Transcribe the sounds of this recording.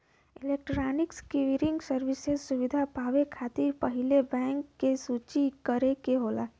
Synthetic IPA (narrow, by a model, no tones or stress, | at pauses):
ɪleːk̚ʈɾaːnɪkskiʋiɾɪ̃ŋɡsəɾʋɪsezsʊʋɪd̪ʱapaːʋekʰaːt̪ɪɾpɐɦɪlebɛ̃ːŋkːesuːt͡ʃikəɾekeɦoːla̰ː